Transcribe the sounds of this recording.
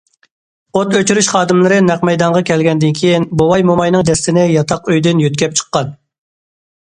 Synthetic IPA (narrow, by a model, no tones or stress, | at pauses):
ot̪øt͡ʃyɾyʃχɑːd̪ɨmlˠɨɾɨnɛq̚mɛjd̪ɑɴʁɑkʲʰɛlɡʲɛnd̪ɪnkʲʰejinbowɑjmomɑjnɨŋd̪ɛst̪ɪnɪjɑt̪ʰɑqøjd̪ɪnjøt̪̚kʲɛp̚t͡ʃʰə̥qːɑn